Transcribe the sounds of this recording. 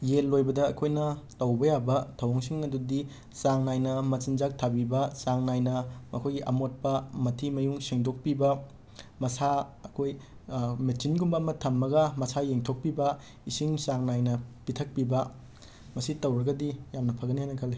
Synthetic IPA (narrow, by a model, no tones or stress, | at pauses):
jelːojbɐdɐːkʰojnɐtɐwbɐjabɐtʰɐwoŋsiŋɐdudi | saŋnajnɐmɐsind͡ʒak̚tʰabibɐsaŋnajnɐmɐkʰojɡiʔɐ̰mot̚pɐmɐtʰimɐjuŋseŋdok̚pibɐ | mɐsaɐkʰojmetsinɡumbɐɐmɐtʰɐmːɐɡɐmɐsajeŋtʰok̚pibɐ | isiŋsaŋnajnɐpitʰɐk̚pibɐ | mɐsitɐwɾɐɡɐdijamnɐpʰɐɡɐnihajnɐkʰɐlːe